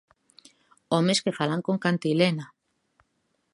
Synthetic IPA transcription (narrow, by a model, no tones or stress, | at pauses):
omeskefalaŋkoŋkant̪ilena